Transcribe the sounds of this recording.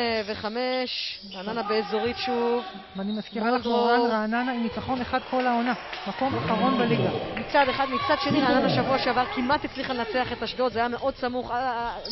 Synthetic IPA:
veχame̞ʃʁaːnanabe̞ːzo̞ʁitʃuv | veanimaskiʁaoldoaʁaːnanaimit͡saχo̞neχad̪̚kʰo̞laonamako̞maχaʁo̞nbeliɡamit͡sad̪eχad̪mit͡sad̪ʃe̞niʁaːnanaʃavuaʃeavaʁkimʔat̪it͡sliχalenat͡seaχe̞t̪aʃdo̞t̪zeajame̞ʔo̞d̪samuχa

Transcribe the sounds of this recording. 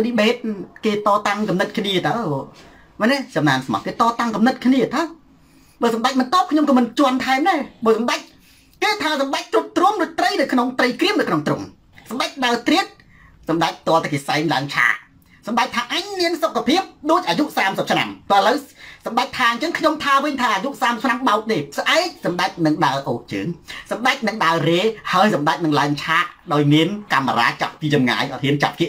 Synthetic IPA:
ɗiɓeːt̪̚keːt̪ɑːt̪aŋkɑmnɨt̪̚kʰniət̪ə | manɛsɑmnaːnsmɑ̰t̪iət̪t̪ːɑːt̪aŋkɑmnɨt̪̚kʰniət̪aw | ɓəːsɑmɗac̚mɑnt̪ŏəp̚kʰɲomkɑːmɨnt͡ɕŏənt̪ʰaɛmnaːɓəːsɑmɗac̚ | keːt̪ʰaːsɑmɗac̚t̪ruəp̚t̪ruəmruəc̚t̪rəjɗaːjkʰnoŋt̪rəjkriəmɗaːkʰnoŋt̪rum | sɑmɗac̚ɗaət̪riət̪̚ | sɑmɗac̚p̚t̪ŏəlt̪ʰakeːsaɛmla̰əŋt͡ɕʰa̰ːʔ | sɑmɗak̚t̪ʰaːʔaɲmiənsokʰːapʰiəp̚ɗoːc̚ʔaːjuʔsaːmsəp̚t͡ɕʰna̰mpoʔələwsɑmɗac̚t̪ʰaːɲt͡ɕəŋkʰɲomt̪ʰaːʋɨɲt̪ʰaːʔaːjuʔsaːmsəp̚t͡ɕʰnamɓaɔk̚ɗeːsʔaɛk̚sɑmɗac̚nɨŋɗaəʔoːk̚t͡ɕə̰ːŋsɑmɗac̚nɨŋɗaəreːhaəjsɑmɗac̚nɨŋlaəŋt͡ɕʰaːʔɗaɔjmiənkamːaɾa̰ːt͡ɕap̚piːt͡ɕɑmŋa̰ːjʔɑ̰t̪̚hiənt͡ɕa̰p̪̚kiʔ

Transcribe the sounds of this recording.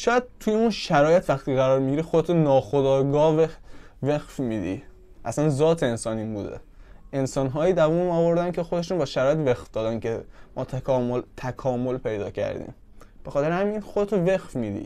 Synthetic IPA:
ʃɒːjæd̪̥̚t̪ʰujeunʃæɾɒːjet̪ʰvæxt̪ʰiɣæɾɒːɾmiɟiɾixod̪et̪ʰonɒːxo̞d̪ɒːɡɒːvevexfmiːd̪ḭ | ʔæ̰sænzɒːt̪ʰeensɒːniːmbṵːd̪ḛe̞nsɒːnɦɒːjiːd̪ævuːnɒːvo̞ɾd̪æncʰe̞xod̪e̞ʃunbɒːʃæɾɒːjet̪vexfd̪̥ɒːd̪ænkʰe̞mʔɒːt̪ʰækʰɒːmolt̪ʰækʰɒːmo̞lpʰe̞jd̪ɒ̰ːcʰæ̰ɾd̪ḭːm | b̥exɒːt̪e̞ɾehæmiːnxod̪et̪ʰovexfmiːd̪ḭ

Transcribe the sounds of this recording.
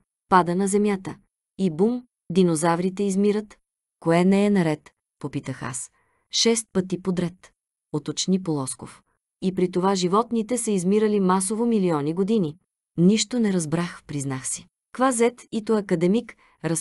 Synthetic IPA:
pad̪ənɐzɛmjat̪ə | ibum | d̪inozavɾit̪ɛizmiɾət̪ | koɛnɛɛnɐɾɛt̪ | popit̪əxa̰s | ʃɛst̪̚pət̪ipod̪ɾɛt̪ | ot̪ot͡ʃnipolˠɔsko̰f | ipɾit̪ovaʒivɔt̪nit̪ɛsəizmiɾəlimasovomiliɔniɡod̪ini | niʃt̪onɛɾɐzbɾaxpɾiznaxsi̥ | kvazɛt̪it̪oɐkɐd̪ɛmik | ɾɐs

